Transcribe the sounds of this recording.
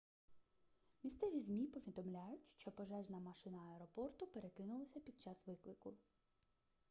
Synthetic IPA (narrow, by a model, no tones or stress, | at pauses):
mʲist̪sɛʋʲizʲmʲipɔʋʲid̪ɔmlʲajʊtʲʃt͡ʃɔpɔʒɛʒnɐmɐʃɪnɐɐɛɾɔpɔrt̪ʊpe̞ɾekɪnʊlˠɐsʲɐpʲid̪̚t͡ʃɑsʋɪklˠɪkʊ